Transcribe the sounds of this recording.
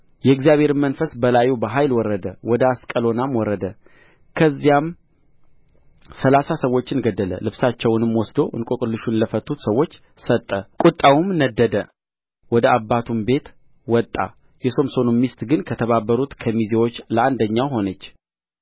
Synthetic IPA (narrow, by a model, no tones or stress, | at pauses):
jɛɨɡzijaβhe̞ɾɨmənfəsbəlajubəɦajlwɔɾːəd̪əwɔd̪əaskʼəlo̞namwɔɾəd̪ə | kʰəzːijam | səlasasəwo̞t͡ʃːɨnɡəd̪ːələ̰lɨβsat͡ʃːɛwnɨmwɔsd̪o̞ʔɨ̰nkʼokʼɨlːɨʃunləfət̪ʰːut̪səwːo̞t͡ʃː | sət̪ʼːəkʼut̪ʼːawumnəd̪ːəd̪ə | wɔd̪əabːat̪ʰumbe̞t̪ | wɔt̪ʼːa̰ | jɛso̞mso̞numːist̪ɡɨnkʰət̪ʰəβabːəɾut̪kʰəmizewot͡ʃːləʔand̪əɲːawɦo̞nət͡ʃː